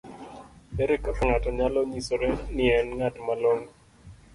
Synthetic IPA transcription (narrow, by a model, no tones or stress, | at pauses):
ɛɾɛkapaŋataɲalɔɲisoɾɛnɪɛnŋatmalɔŋ